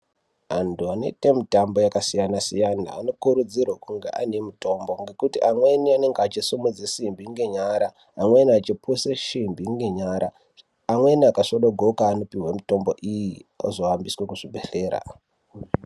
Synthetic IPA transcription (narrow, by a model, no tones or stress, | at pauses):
antʰuanḛtemitambo̞jakasijanasijana̰ːno̞kuɾud͡zirwakuŋɡḛʔane̞muto̞mbo̞ŋɡe̞kutiʔamwe̞niane̞ŋɡat͡ʃisumud͡zesimbʱiŋɡeɲaɾaː | mweniat͡ʃipʰuseʃimbʱiŋɡeɲaɾʔaː | mwe̞niakaʂoɗoɡʱokaːno̞piɦwemito̞mbo̞ʔijio̰zo̞ʋambiswe̞kuʐibʱe̞ɬe̞ːɾa̰